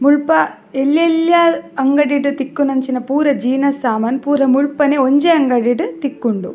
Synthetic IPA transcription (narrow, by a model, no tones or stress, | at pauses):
muɭpɐ | elːjɐljaɐŋɡɐɽiɽɨt̪ikːunɐɲt͡ʃinɐpuːɾɐd͡ʒiːnɐsaːmɐnpuːɾɐmuɭpɐneoɲd͡ʒeɐŋɡɐɽiɽɨt̪ikːuɳɖu